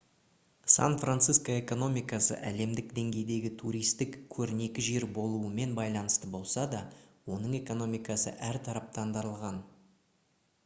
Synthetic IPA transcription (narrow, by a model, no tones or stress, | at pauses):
sa̰nfrant̪siskoe̞ko̞no̞mʲijkɑsə̰ʔæle̞md̪ɪkd̪e̞ŋɡʲe̞jd̪e̞ɡʲɪt̪ʰuɾʲijst̪ɪkkʲʰɵɾɪne̞kʲɪʒe̞ɾbo̞lˠuəme̞nbɑjlˠɑnəst̪əbo̞lˠsɑd̪ɑwo̞nəɴe̞ko̞no̞mijkɑsə̰ʔæɾt̪ʰɑɾɑp̚t̪ɑnd̪ɑɾəlˠʁɑn